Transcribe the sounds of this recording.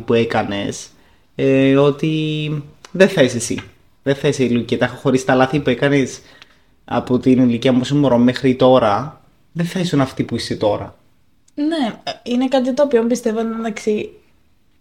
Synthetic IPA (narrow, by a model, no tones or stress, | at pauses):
pue̞kɐne̞s | o̞t̪i | ðeθɐisesḭ | ðenθɐiseiloʝiciet̪ɐxoxo̞ɾist̪ɐlɐθipue̞kɐnes | ɐ̰po̞t̪iniliciɐmuosomoɾommexɾit̪o̞ɾɐ | ðeθɐisunɐft̪ipuiset̪o̞ɾɐ̰ | neinekɐt̪̬it̪oːpiombist̪e̞vot̪ɐksi